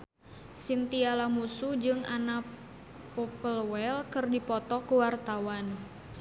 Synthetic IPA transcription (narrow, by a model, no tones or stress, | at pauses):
sint̪ialamusud͡ʒɨŋa̰na | pɔpəlwɛlkɨrdipɔt̪ɔkuwart̪awan